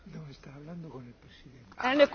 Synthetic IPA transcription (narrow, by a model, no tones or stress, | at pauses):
nõest̪aaβland̪okonelpɾesiðent̪ɛnek